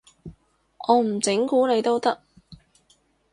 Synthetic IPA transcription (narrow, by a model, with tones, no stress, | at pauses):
ɔː˨˧m̩˨˩t͡sɪ˨˥ŋkuː˨˥ne˨˧jt̪o˥wt̪ɐ˥k̚